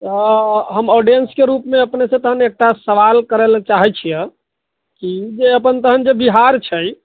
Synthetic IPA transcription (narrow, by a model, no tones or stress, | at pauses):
t̪əɦəmɔɖijenskeɾupmeəpnesẽt̪əɦənek̚ʈasəʋalkəɾɛlt͡ʃaɦɛt͡ʃʰijɛ | kid͡ʒeəpənt̪əɦənd͡ʒebiɦaɾt͡ʃʰəj